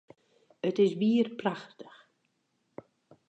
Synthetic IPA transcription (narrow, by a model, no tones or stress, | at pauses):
ətɪsʋiərpraxtə̥x